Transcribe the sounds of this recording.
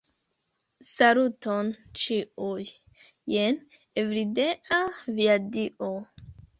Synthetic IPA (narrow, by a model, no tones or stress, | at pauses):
salutont͡ʃiujː | en | evɾideʔaviadiʔo